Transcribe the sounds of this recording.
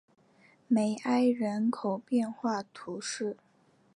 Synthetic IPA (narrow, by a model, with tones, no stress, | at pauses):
me˨˩ɪʔa˥ɪɻə˧˥nkʰo˨˩ʊpjɛ˥˧nxwa˥˩t̪ʰu˧˥ʂɻ̩˥˩